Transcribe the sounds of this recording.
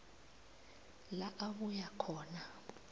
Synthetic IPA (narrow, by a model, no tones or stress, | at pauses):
laʔaβujakʰɔːna